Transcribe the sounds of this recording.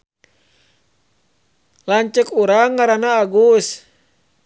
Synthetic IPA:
laɲt͡ʃəkuɾaŋːaɾanaːɡus

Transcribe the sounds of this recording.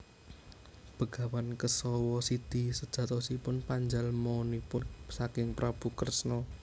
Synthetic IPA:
b̥ə̤ɡ̥a̤wankəsɔwɔsid̪̥isəd̥ʒ̥ä̤t̪ɔsipʊnpaɲd͡ʒalmɔnipʊnsakɪŋpɾab̥ukərsnɔ

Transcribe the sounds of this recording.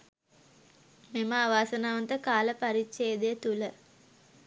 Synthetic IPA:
meməːʋaːsɐnaːʋɐnt̪əkaːləpɐɾit͡ʃːeːd̪ejt̪ulə

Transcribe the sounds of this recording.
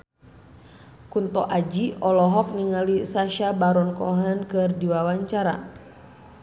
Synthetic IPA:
kunt̪ɔʔad͡ʒiɔlɔɦɔk̚niŋalisaʃabaɾɔnkɔɦankɨrdiwawaɲt͡ʃaɾa̰

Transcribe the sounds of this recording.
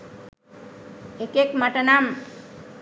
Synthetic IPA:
ekekməʈənam

